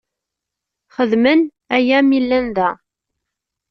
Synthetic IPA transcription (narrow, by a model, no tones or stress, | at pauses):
χəðmən | æjæmilːænðæ